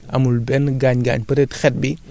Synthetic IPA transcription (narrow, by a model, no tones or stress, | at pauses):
ʔɐ̰mulbɛnɡaːɲɡa̰ːɲpɐɾɛtxɛt̚bi